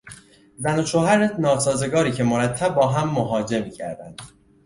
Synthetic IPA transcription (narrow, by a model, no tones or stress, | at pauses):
zænoʃʰohæɾet̪nɒːsɒːzeɡɒːɾiːcʰe̞moɾæt̪ʰːæb̚ːɒːɦæmːoɦɒːd͡ʒe̞miːcʰæ̰ɾd̪æ̰nd̪̥